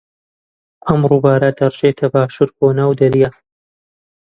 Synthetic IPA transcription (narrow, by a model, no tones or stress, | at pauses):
ʔɐmruːbaːɾad̪ɐrʒet̪ʰɐbaːʃuːɾkoːnaːwd̪ɐɾija